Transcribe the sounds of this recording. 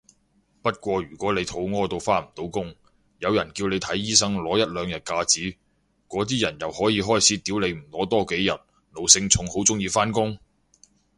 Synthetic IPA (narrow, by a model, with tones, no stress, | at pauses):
pɐ˥t̚kʷɔː˧ɥyː˨˩kʷɔː˨˥le˨˧jt̪ʰo˨˥wŋɔː˥t̪o˧wfaː˥nm̩˨˩t̪o˨˥wkʊ˥ŋ | jɐ˨˧wjɐ˨˩nkiː˧wne˨˧jt̪ʰɐ˨˥jːiː˥sɐ˥ŋlɔː˨˥jɐ˥t̚lœː˨˧ŋjɐ˨˩t̚kaː˧t͡siː˨˥ | kɔː˨˥t̪iː˥jɐ˨˩njɐ˨whɔː˨˥jiː˨˧ɦɔː˥jt͡sʰiː˨˥t̪i˨˥wle˨˧jm̩˨˩lɔː˨˥t̪ɔː˥ke˨˥jjɐ˨˩t̚ | no˨wsɪ˧ŋt͡sʰʊ˨˧˥ŋho˨˥wt͡sʊ˥ŋjiː˧faː˥nkʊ˥ŋ